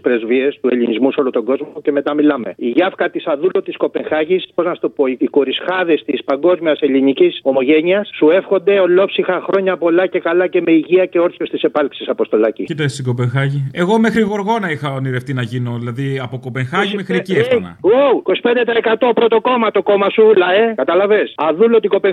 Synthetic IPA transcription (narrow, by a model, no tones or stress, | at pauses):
spɾe̞zvie̞st̪uḛlinizmusolot̪o̞ɡo̞zmoce̞me̞t̪ɐmilɐme̞̰iʝɐfkɐt̪isɐðulot̪isko̞pe̞ŋxɐʝispoznɐst̪opo̞iiko̞ɾisxɐðe̞st̪ispɐŋɡo̞zmiɐse̞liniciso̞mo̞ʝe̞ɲiɐsːue̞fxo̞nd̪e̞olo̞psixɐxɾo̞ɲɐpo̞lɐce̞kɐlɐce̞me̞iʝiɐce̞o̞ɾθost̪isepɐlksisɐpo̞st̪o̞lɐcicit̪ɐst̪iɡo̞peŋxɐʝie̞ɣo̞mexɾiɣo̞ɾɣo̞nɐixɐoniɾeft̪inɐʝino̞ðilɐðiɐpoko̞pe̞ŋxɐʝimexɾieciefnɐ̰uiko̞si̥pe̞nd̪et̪ɐekɐt̪o̞pɾo̞t̪o̞ko̞mɐt̪o̞ko̞mɐsulɐekɐt̪ɐlɐvesɐðulo̞t̪iɡo̞pe